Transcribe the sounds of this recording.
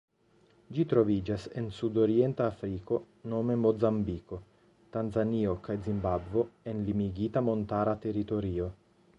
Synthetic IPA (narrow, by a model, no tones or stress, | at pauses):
d͡ʒit̪ɾovid͡ʒasḛnsud̪oɾient̪aːfɾiko̞ | nomemozambiko | t̪anzanio̞kajzimbabvoenlimiɡit̪amont̪aɾat̪eɾit̪oɾio